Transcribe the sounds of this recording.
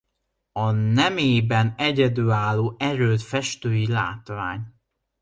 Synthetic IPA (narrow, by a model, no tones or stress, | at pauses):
ɒnɛmeːbɛnɛɟɛd̪yːaːlːoːʔɛɾøːt̪fɛʃt̪øːjila̰ːt̪ʋa̰ːɲ